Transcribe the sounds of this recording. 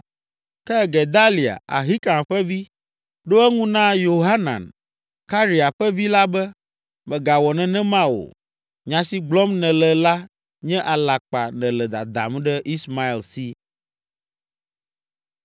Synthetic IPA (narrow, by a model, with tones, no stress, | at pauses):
kɛ˦˨ɡɛ˨d̪a˦li˨a̰˨ʔa̰˨ɦi˦kã˨m˨ɸɛ˦vi˦ | ɖo˦ɛ˦ŋũ˦nã˦jo˨ɦa˦nã̰˨n | ka˦ɾi˨a˨ɸɛ˦vi˦la˦bɛ˦ | mɛ̃˨ɡa˨wɔ˨nɛ̃˨nɛ̃˦mã˦wo̰˨ | ɲã˨si˦ɡ͡blɔ˦mnɛ̃˨lɛ˨la˦ | ɲɛ̃˦ʔa˨la˨k͡pa˨nɛ̃˨lɛ˨d̪a̰˨d̪a̰˨m˦ɖɛ˦ʔi˦sma˦i˨lsi˦